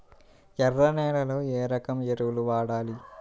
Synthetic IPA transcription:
ɛrːɐnɛːɭɐlo̞ːeːɾɐkɐmeɾuwuluʋaːɽaːli

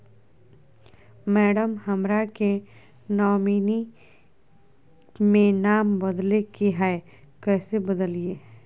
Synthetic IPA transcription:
mɛːɖəmhəmɾake | nɔːmiːni | mẽnaːmbəd̪lekeɦae | kɛːsebəd̪əlieː

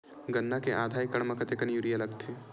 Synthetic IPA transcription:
ɡɐnːakeʔaːd̪ʱaːjkɐɽ̃mɐkʰət̪ekɐnjuːɾiɐlɐɡt̪ʰeː

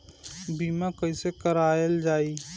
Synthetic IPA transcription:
biːmakɐisekəɾaːjəld͡ʒaːiː

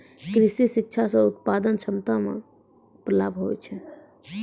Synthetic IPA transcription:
kɾisisik̚t͡ʃʰasə̃ut̪̚pad̪ənt͡ʃʰəmt̪amḛ | pɾəlabʱɦojt͡ʃʰɛ

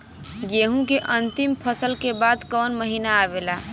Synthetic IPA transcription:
ɡjeːɦũkeʔə̃nt̪ɪmpʰəsəlkebad̪kɔːnməɦinaːʋelaː

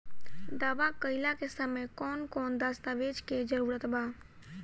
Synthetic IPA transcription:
d̪aːʋakəɪlakesəməjkɔːnkɔːnd̪aːst̪aʋeːd͡ʒked͡ʒəɾuːɾət̪baː

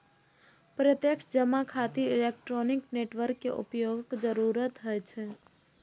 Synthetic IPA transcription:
pɾət̪jəkʃd͡ʒəmakʰaːt̪iɪlek̚ʈɾoːnɪkneʈʋəɾkːḛʔʊ̰pjoɡəkd͡ʒəɾuːɾət̪ɦɔjt͡ʃʰe

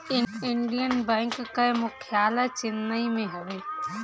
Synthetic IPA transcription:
ɪɪɳɖijənbɛ̃ːŋkːamʊkʰijaːlat͡ʃɪnːəimẽɦɛʋeː

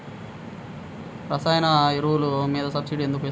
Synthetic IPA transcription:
ɾɐsaːjɐnɐiɾuulumiːd̪ɐsɐbsiɖiend̪ukue

